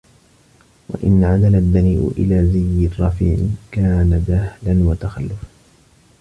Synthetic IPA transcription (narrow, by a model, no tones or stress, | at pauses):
wa̰ʔɪ̰nːʕad̪alad̪ːaniːʔʊ̰ʔɪ̰laːzajːɪrˤɑːfɪ̰ʕɪ̰nkaːnabahlanwat̪axalːʊfa